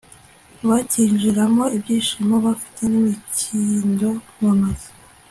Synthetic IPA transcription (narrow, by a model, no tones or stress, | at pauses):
βaciːnʒiɾamo̞ibɟiːnʃimoβafi̥tʰe̞nimicʰindo̞monozi̥